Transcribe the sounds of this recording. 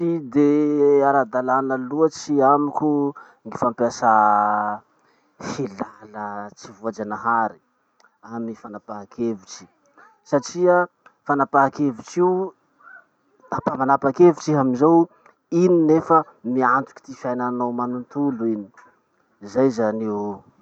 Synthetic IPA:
id̪eaɾad̪alanəluət͡siamikʲu | ŋɡifampiasa | hilalət͡sivuad͡ʒanaɦaɾi̥ | amifanapaakʰevut͡ʃi̥ | saʈ͡ʂiə | fanapaɦakevut͡ʃi | apamanapakevut͡ʃiɦaminzow | ininefə | miant̪u̥ki̥t̪ifiajnanawmanunt̪uluini̥ | zajzaniw

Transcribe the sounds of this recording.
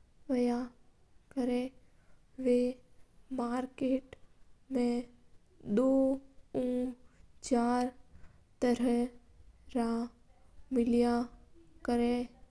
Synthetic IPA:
ʋəja | kəɾẽː | ʋe | maːɾkeːʈmẽ | d̪oːũːt͡ʃaːɾ | t̪əɾə | ɾa | mɪljakəɾẽ

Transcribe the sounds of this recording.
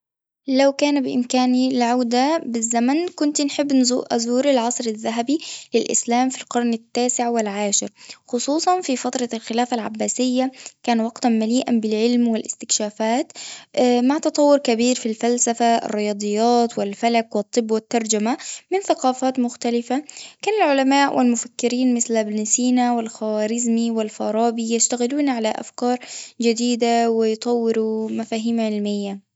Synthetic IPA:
lawkaːnbɪʔɪ̰mkaːnilʕawd̪abɪzːamankʊnt̪inħɪbːʔazuːɾɪlʕɑsˤɾɪðːaɦabilɪlʔɪ̰slaːmfilqɑɾˤnɪt̪ːaːsɪʕwɪlʕaːʃɪɾxʊsˤuːsˤɑnfifat̪ɾˤɑlxɪlaːfalʕa̰bːaːsɪjːakaːnwɑɡt̪anmaliːʔanbɪlʕɪlmwɪlʔɪ̰st̪ɪkʃaːfaːt̪ | maʕt̪ɑt̪ˤɑwːʊɾkabiːɾfilfalsafaɪ̰rːɪjɑːd̪ˤɨjːɑːt̪wɪlfalakwɪt̪ˤːɨbːwɪt̪ːɑɾˤd͡ʒamamɪnθaqɑːfaːt̪mʊxt̪alɪfakaːnalʕʊlamaːʔwʔɪ̰lmʊfakːɪɾiːnmɪθlabnɪsiːnawɪlxawaːɾɪzmiwɪlfɑ̰ɾˤɑːbijaʃt̪aɣɪluːnʕalaʔa̰fkɑːɾˤd͡ʒɪd̪iːd̪awɪjt̪ˤɑwːɪɾumafaːɦiːmʕɪlmɪjːa

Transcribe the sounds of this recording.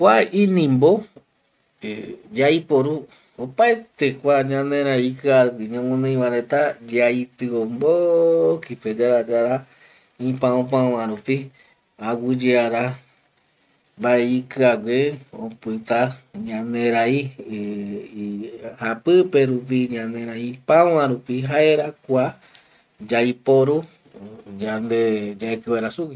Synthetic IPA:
kʷainĩmbo | ed͡ʒaipoɾu | opaet̪ekʷaɲãnẽɾaikɨaɾupiɲõmõnẽĩwãɾet̪ad͡ʒait̪ɨombokiped͡ʒaɾad͡ʒaɾa | ĩpãõp̬ãwãɾupi | awud͡ʒeaɾa | baeikɨaɡʷeõpɨt̪aɲãnd̪ẽɾai | hapɨpeɾup̬iɲãnẽɾaĩpãwãɾupiɦaeɾakʷa | d͡ʒaipoɾu | d͡ʒand̪ed͡ʒaekɨwaɾasuɡi

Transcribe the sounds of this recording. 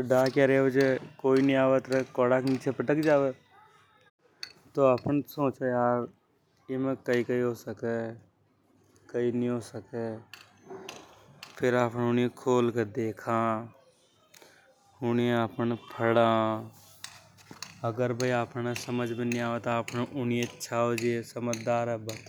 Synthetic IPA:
ɖaːkjaɾeeʋed͡ʒekoːinĩaːʋət̪ɾɐkɔːɽaknit͡ʃʰepɐʈəkd͡ʒaːʋe | t̪oaːpənsõːt͡ʃejaːɾ | jemẽkɐikɐiɦosəke | kɐinĩɦoːsəke | pʰɪɾaːpneʊniekʰoːlked̪eːkʰa | ʊniaːpənpʰəɽã | ɐɡəɾbəiaːpnesəməd͡ʒʱbinĩaːʋet̪oaːpneʔʊnieʃʰaod͡ʒiesəməd͡ʒd̪aːɾɛbə

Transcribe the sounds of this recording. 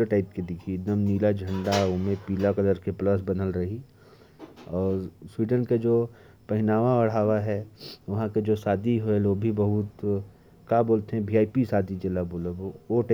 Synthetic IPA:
əʈaːɪp̚ked̪ɪkʰid̪əmniːlad͡ʒʱə̃ɳɖaʊmẽpiːlakɐd̪əɾkepləs̬bɐnəlɾɐɦi | ɔːɾswiːɖənked͡ʒoː | pɐɦɪnaːʋãɐɽ̤aːʋaɦɛʋɐɦãked͡ʒoːsaːd̪ʱiɦeloːbʱibɐɦʊt̪ | kaboːlt̪eɦɛ̃biːaːipisaːd̪ʱid͡ʒɪlaboːləbooʈ

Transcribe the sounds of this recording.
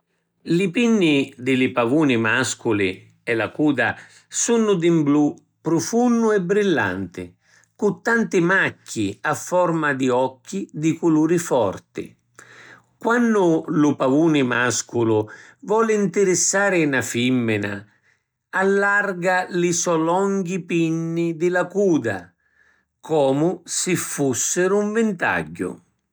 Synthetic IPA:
lɪpinːɪd̪ɪlɪpavuːnɪmaskʊlɪ | ɛlakuːd̪a | sunːʊd̪imblu | pːɾʊfunːʊɛbɾilːa̰nt̪ɪ̰ | kʊt̪ːant̪ɪmakʰːḭafːɔrmad̪iɔkːid̪ɪkuluːɾifɔrt̪ɪ̰ | kwanːʊlʊpavuːnɪmaskʊlʊvɔːlɪint̪ɪɾɪsːaːɾɪnafimːɪna̰ | alːarɡalisɔlɔŋɡipinːid̪ɪlakuːd̪a̰ | kʰɔːmʊsɪfːusːɪɾʊuɱvɪnt̪a̰ɟːʊ̰

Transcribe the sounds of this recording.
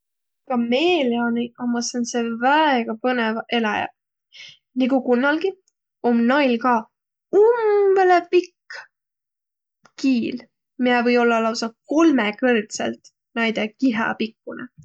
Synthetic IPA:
kɑmeːliɑniʔɑmɑsensevæeɡ̥ɑpɤnevɑʔe̞lɑjɑ̰ | niɡukunːɑlɡi | omnɑjlkɑː | umv̥elepikː | kiːl | mijevɤ̞jo̞lːɑlɑwsɑko̞lmekɯrt̪sḛlt̪ | næjd̪ekiɦɑ̰pikˑːunḛ

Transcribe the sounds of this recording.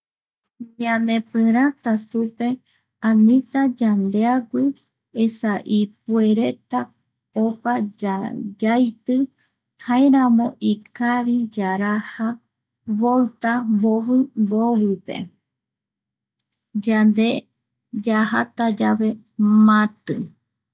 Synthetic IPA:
ɲiãnd̪epɨ̃ɾ̃ãt̪asupe̞ | ãnĩt̪ad͡ʒand̪e̞aɡʷi | esaʔip̚ue̞ɾe̞t̪a | opad͡ʒad͡ʒajt̪ɨ | haẽɾãmõ̞ʔikaɾid͡ʒaɾaha | βolt̪amboβɨmboβɨpe̞̰ | d͡ʒand̪e | d͡ʒahat̪ad͡ʒaβe̞ | mãt̪ɨ

